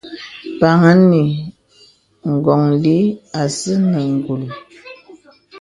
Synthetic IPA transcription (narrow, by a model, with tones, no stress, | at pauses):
pa˨ŋa˦ni˨ | ŋ̩˨ɡɔ˨ŋli˦a˨sə˦nə˨ŋ̩˨ɡu˨l